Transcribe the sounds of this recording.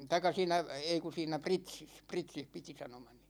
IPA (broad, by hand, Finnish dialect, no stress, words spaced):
tɑikˑɑ siːnæ ei ku siːnæ pritsis pritsih piti sɑnomɑni